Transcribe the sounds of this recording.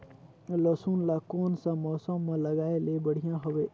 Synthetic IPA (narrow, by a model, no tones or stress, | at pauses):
ləsuːnlakoːnsãmɔːsəmːãləɡaːelebəɽ̤ijãɦəʋe